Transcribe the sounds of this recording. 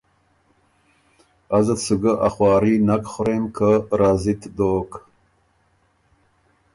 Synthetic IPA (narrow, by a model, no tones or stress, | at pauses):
azət̪suɡəʔaχwɑːɾinakχʊɾemkʰəɾazit̪d̪oːk